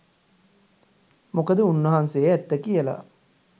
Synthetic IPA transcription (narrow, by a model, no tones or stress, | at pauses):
mokəd̪əunːɐɦansejeæt̪ːəkijəla̰